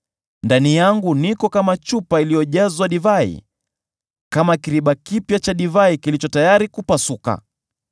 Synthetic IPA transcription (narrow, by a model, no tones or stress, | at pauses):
ndanijaŋɡunikɔkamat͡ʃupailijɔʄazwaɗivaḭ | kamakiɾiɓakipjat͡ʃaɗivaikilit͡ʃɔtajaɾikupasuka̰